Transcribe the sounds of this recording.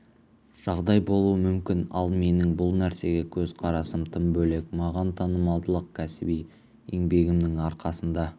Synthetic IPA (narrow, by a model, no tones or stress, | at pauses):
ʒ̥ɑʁd̪ɑjbo̞lˠuəmʏmkʲɪnɑ̰lˠme̞nɪŋbʊlˠnæɾse̞ɡʲe̞kʲʰɵzqʰɑɾɑsəmt̪ʰəmbɵle̞kmɑʁɑnt̪ʰɑnəmɑlˠd̪əlˠəq̚kʲʰæsɪbij | ḛŋbe̞ɡʲɪmnɪŋɑɾqɑsənd̪ɑ